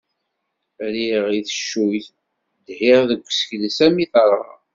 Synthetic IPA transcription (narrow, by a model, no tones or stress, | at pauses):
ɾiʁiθəʃːujθ | d̪hiʁðəɡʷːsə̥çləsæmiθɑɾˤɑ